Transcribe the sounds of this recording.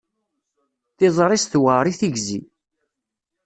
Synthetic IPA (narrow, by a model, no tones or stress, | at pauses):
θɪzˤɾˤisθwaɾˤiθiɡzi